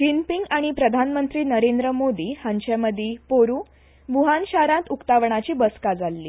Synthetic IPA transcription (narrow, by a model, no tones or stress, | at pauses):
kinpiŋɡaɽ̃ipɾəd̪ʱanmənt̪ɾiːnəɾend̪ɾəmod̪iːhãɲt͡ɕaməd̪ʱiːpoɾuː | bʱuɦanɕaɾãt̪ukt̪aʋɳ̃at͡ɕiːbəskad͡zalːiː